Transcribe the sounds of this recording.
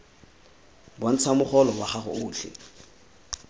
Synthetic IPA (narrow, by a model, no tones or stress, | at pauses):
bɔn̩t͡sʰamʊχɔlɔwaχaχʊʊːɬʰɪ̰